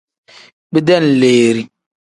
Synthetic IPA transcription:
bi˦dɛ˦n̩˨leː˨ɾi˦

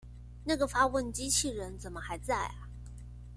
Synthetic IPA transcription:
na˥˩ɡə˩fa˥wə˥˩nt͡ɕi˥t͡ɕʰi˥˩ɻə˧˥nt͡sə˨˩nmə˦xa˧˥ɪt͡sa˥˩ɪɐ˩

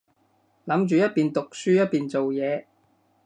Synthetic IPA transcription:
lɐ˨˥mt͡ʃyː˨jɐ˥t̚piː˨nt̪ʊ˨k̚syː˥jɐ˥t̚piː˨nt͡so˨wjɛː˨˧

